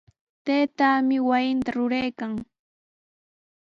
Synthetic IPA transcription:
t̪eːt̪aːmɪwajɪnt̪aɾʊɾajkaŋ

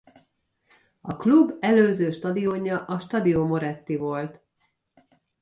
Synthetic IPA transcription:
ɒklubɛløːzøːʃt̪ɒd̪ioːɲɒʔɒʃt̪ɒd̪ijoːmo̞ɾɛt̪ːivo̞lt̪

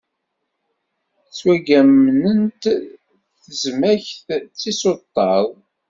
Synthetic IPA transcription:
t͡sːwæɡæmnənt̪ | θəzmæçθt͡sːisot̪ˤːɑðˤ

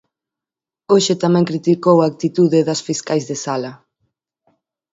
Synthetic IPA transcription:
oʃɪt̪amɛ̃ŋkɾit̪ikowaːk̚t̪it̪uðeðɐsfiskajzðesalɐ

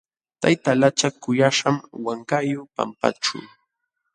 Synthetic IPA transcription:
t̪ajt̪alat͡ʃakʊjaʃamwaŋkajʊpa̰mpa̰ʈ͡ʂṵw

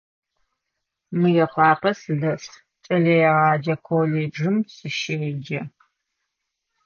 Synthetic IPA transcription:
mɨjɛχʷɑːqɐsɨɮɐs | t͡ʃʼɐɮɐjɛʁɑːd͡ʒɐkʰoleːd͡ʒɨmsʼɨʃeːd͡ʒɐ

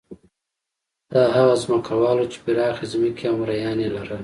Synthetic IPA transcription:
d̪̥ɑɦaɣazməkawɑlot͡ʃe̥biɾɑːxizmikiamɾajɑnelaɾə

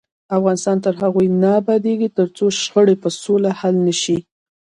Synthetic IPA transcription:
afɣɑnɪst̪ɑnt̪əɾɦaɣujnabad̪eɡit̪əɾt͡soʃxəɽepəsolahalnəʃi

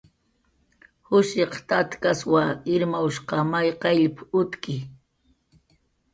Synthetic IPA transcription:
hʊʃeqt̪at̪kaswaɪɾmawʃqɑmajqɑʎpʊt̪kɪ

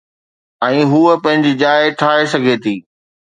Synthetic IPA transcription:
ɛ̃ːɦuːəpɐ̃ɦɪ̃ɲd͡ʑid͡ʑaːɪʈʰaːesɐɡʱet̪ʰiː

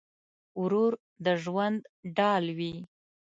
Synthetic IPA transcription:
ʊɾuɾ | d̪əʒwand̪ɖɑlwi

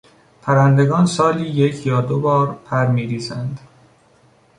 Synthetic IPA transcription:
pʰæɾænd̪eɡɒːnsɒːliːjecʰjɒːd̪obɒːɾpʰæɾmiːɾiːzænd̪

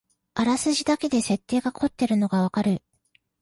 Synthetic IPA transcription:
aɾasɨʑid̪ake̞d̪e̞se̞t̪ːe̞ːɡakʰo̞t̪ːe̞ɾɯ̟no̞ɡaβ̞akaɾɯ̟

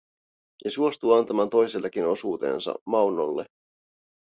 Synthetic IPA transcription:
jɑsuo̞st̪uːɑnt̪ɑmɑːnt̪o̞jse̞lːɑkino̞suːt̪e̞̰ːnsɑ̰mɑwnːolːe̞̰

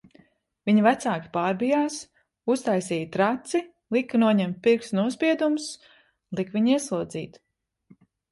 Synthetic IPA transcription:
viɲvæt̪saːkʲi̥paːɾbijaːs | ust̪ajsiːjt̪ɾat̪si | lˠikːɨnuɔɲɛmt̪̚piɾksnuɔspʲiɛd̪ums | lˠikviɲiɛslˠuɔd̪zḭːt̪

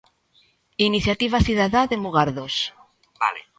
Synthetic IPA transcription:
iniθjat̪iβaθiðaðaðemuɣaɾðos | al

